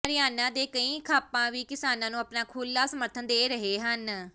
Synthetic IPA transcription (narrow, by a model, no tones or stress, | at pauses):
əɾɪjaːnãːd̪eːkəĩːkʰaːpãːʋiːkɪsaːnãːnũːəpnaːkʰuːlːaːsəməɾt̪ʰənd̪eːɾəɦeːɦən